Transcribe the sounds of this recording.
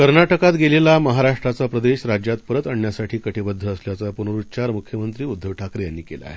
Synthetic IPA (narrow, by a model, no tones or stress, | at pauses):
kəɾnaʈəkat̪ɡelelaməɦaɾaʂʈɾat͡sapɾəd̪eɕɾad͡ʑjat̪pəɾət̪əɳjasaʈʰiːkəʈʰebəd̪ʱːəːsljat͡sapunəɾutt͡ɕaɾmukʰjəmənt̪ɾiːud̪ʱːəʋʈʰakɾjanːiːkela̰e